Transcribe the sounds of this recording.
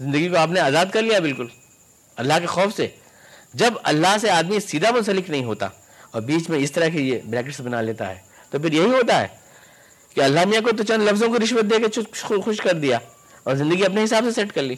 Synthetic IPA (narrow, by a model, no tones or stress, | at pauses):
zɪ̃nd̪əɡikoaːp̬neaːzaːd̪̚kɐɾlijabɪlkʊl | ɐlːaɦkexɔːfse | d͡ʒɐbɐ̰lːaɦseaːd̪misiːd̪amʊ̃nsɐlɪknɐɦĩɦoːt̪a̰ | ɔːɾbiːt͡ʃmẽɪst̪ɐɾəɦkejebɾɛːk̬ɪʈsbɐnaleːt̪a̰ɦɛ̰ː | t̪opɪɾjɐɦiɦoːt̪aɦɛ̰ː | keɐlːaɦmijãkot̪̬ot͡ʃənlɐfzõkiɾɪʃwət̪̚d̪eːkeʃʊxʊʃkɐɾd̪ija | ɔːɾzɪ̃nd̪əɡiɐp̬neɦɪsaːbsesɛʈkɐɾliː